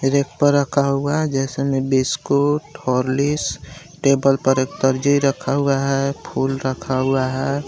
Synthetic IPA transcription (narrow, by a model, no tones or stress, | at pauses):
eɾek̚pəɾːəkʰauaɦd͡ʒɛːsemẽbiskoʈʰoɾlis | ʈeːbəlpəɾek̚t̪əɾd͡ʒiɾəkʰaɦuaɦɛpʰulɾəkʰauaɦɛ